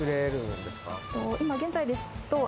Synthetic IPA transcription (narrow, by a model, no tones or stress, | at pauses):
ɯɾeɾɯnd̪e̞sɨ̥ka̰t̪oimaɡẽ̞nzaid̪e̞sɨ̥t̪o